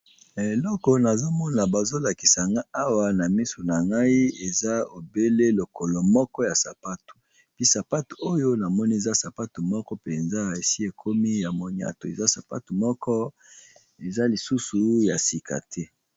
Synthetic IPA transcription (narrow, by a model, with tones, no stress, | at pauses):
e˨lɔ˦kɔ˨na˨zo˦mɔ˦na˨ba˨zo˦la˨ki̥˨sa˨ŋɡa˦a˦wa˨na˨mi˦so˨na˨ŋɡa˦i˦e˨za˦o˨be˦le˦lo˨kɔ˨lɔ˨mɔ˦kɔ˦ja˨sa̰˨pa˦tu̥˨ | pi˦sa˨pa˦tu̥˨o˦jo˦na˨mɔ˦ni˦e˨za˦sa˨pa˦tu˨mɔ˦kɔ˦pe˨nza˦˨e˨si˦e˨kʰo˦mi˦ja˨mo˨ɲa̰˨to˨e˨za˦sa˨pa̰˦tu˨mɔ˦kɔ˦ | e˨za˦li˨su˦su˨ja̰˨si˨ka̰˨tʰɛ˦